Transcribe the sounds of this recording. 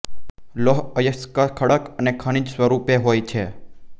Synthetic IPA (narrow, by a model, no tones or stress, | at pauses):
loɦəjəskakʰəɽəkənekʰəɳ̃id͡ʒsʋəɾupeɦojt͡ʃʰe